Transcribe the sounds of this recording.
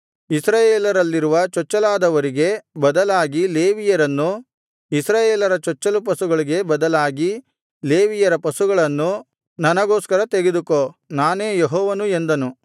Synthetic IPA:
isɾaːjeːlɐɾɐlːiɾuʋɐt͡ʃɔt͡ʃːɐlaːd̪ɐʋɐɾiɡe̞bɐd̪ɐlaːɡile̞ːʋijɐɾɐnːu | isɾaːjeːlɐɾɐt͡ʃɔt͡ʃːɐlupɐsuɡɐɭiɡe̞bɐd̪ɐlaːɡi | le̞ːʋijɐɾɐpɐsuɡɐɭɐnːu | nɐnɐɡo̞ːskɐɾɐt̪e̞ɡed̪ukonaːne̞ːjeɦɔːʋɐnue̞nd̪ɐnu

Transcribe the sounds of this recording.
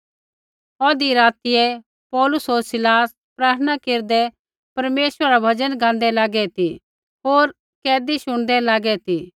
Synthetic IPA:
ɔːd̪iɾaːt̪ɪjɛ | pɔːlʊsɦoːɾsɪlaːs | pɾaːt̪ʰənakeːɾd̪ɛ | pɐɾmeːʃəɾaɾabʱɐd͡ʒənɡãːnd̪ɛlaːɡɛt̪i | ɦoːɾ | kɛːd̪iʃʊɽ̃d̪ɛlaːɡɛt̪iː

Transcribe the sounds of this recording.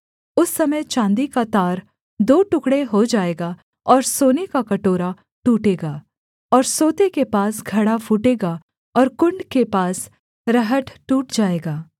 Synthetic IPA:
ʊsːɐməjt͡ʃãːnd̪ikat̪aːɾ | d̪oːʈʊkɽeɦod͡ʒaːeːɡaː | ɔːɾsoːnekakɐʈoːɾa | ʈuːʈeːɡaː | ɔːɾsoːt̪ekepaːsɡʱɐɽafuːʈeːɡaː | ɔːɾkʊ̃ɳɖkepaːs | ɾɐɦəʈʈuːʈd͡ʒaːeːɡaː

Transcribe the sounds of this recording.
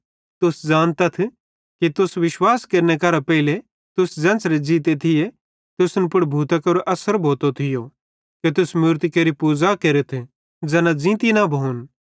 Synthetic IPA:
t̪ʊsd͡zaːnt̪ɐt̪ʰ | kit̪ʊsʋɪʃwaːskɐɾnekɐɾapɛɪle | t̪ʊsd͡ʒɐ̃nt͡sɾed͡ʒiːt̪̬et̪ʰɪje | t̪ʊsnpʊɽbʱuːt̪akɐɾʔɐsəɾbʱoːt̪ot̪ʰɪjo | ket̪ʊsmʊɾt̪ikeːɾipuːd͡zakeːɾət̪ʰ | d͡zɛːnad͡zĩːt̪inabʱɐʊn

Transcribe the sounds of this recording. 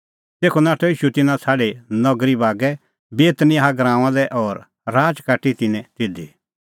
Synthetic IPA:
t̪eːkʰonaːʈʰɔiːʃut̪ɪnãt͡sʰaːɽenɔɡɾibaːɡɛ | beːt̪nɪaɦaɡɾãːãd̪ɛʔɔɾ | ɾaːd͡ʒkaːʈit̪ɪnɛ̃t̪ɪd̪i

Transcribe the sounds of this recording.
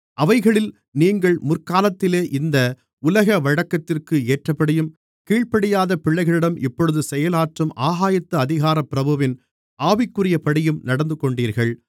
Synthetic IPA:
ʔɐʋɐɪɣɐɭɪl | niːŋɡɐɭmʊrkaːlɐt̪ːɪleːʔɪnd̪ɐ | ʊlɐɣɐʋɐɻɐkːɐt̪ːɪrkɯeːʈrɐpːɐɽɪjɯm | kiːɭpɐɽɪjaːðɐpɪɭːɐɪɣɐɭɪɽɐmʔɪpːɔɻɯðɯsɛjɐlaːʈrɯmʔaːɣaːjɐt̪ːɐɐðɪɣaːɾɐpɪɾɐbɐʋɪn | aːʋɪkːɯrɪjɐpɐɽɪjɯmnɐɽɐnd̪ɯkɔɳɖiːɾɣɐɭ

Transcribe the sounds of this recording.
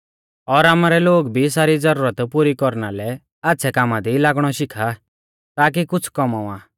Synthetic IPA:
ɔɾamaɾɛloːɡbʱisaːɾid͡zɐɾuːɾət̪puɾikɔɾnalɛ | atːʃʰɛkaːmad̪ilaːɡɽ̃ɔʃɪkʰa | t̪aːk̬ikʊt͡sʰkɔmãaː

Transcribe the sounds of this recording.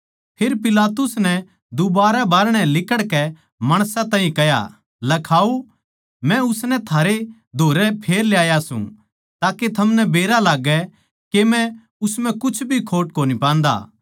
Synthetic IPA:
pʰeɾpɪlaːt̪ʊsnɛ | d̪ʊbaːɾɛbaːɾɽ̃ɛ̃lɪkəɽkɛ | mɐɽ̃sãt̪ãːɦĩkɛja̰ | lɐkʰaːu | mɛ̃ʊsnɛt̪ʰaːɾe | d̪ʱoːɾɛpʰeːɾljaːjasṵ̃ | t̪aːket̪ʰɐmnɛbeːɾalaːɡɛ | kemɛ̃ | ʊsmɛ̃kʊt͡ʃʰbʱikʰoːʈ̚koːnipãːn̆d̪a̰ː

